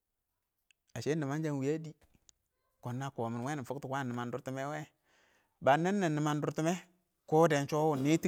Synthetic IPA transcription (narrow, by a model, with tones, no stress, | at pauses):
a˨ʃe˦nːi˨ma˦nd͡ʒa˦nwi˨ja˦di˦ | ko˨nːa˦ko˨mi˨nwe˦ni˨fu˦ktu˨kwa˦˨nə˨ma˨ndu˨ɾti˦me˦we˦ | ba˨nːe˦nːa˨nːi˨ma˨ndu˦ɾti˦me˦ | ko˦de˨nt͡ʃo˦wu˨nːi˦ti˦